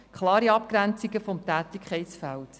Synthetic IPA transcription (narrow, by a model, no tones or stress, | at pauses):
kʰχlɑːɾiɑp̚kɾænt͡siɡəfɔmtæːt̪ɪkʰχɛɪsfælt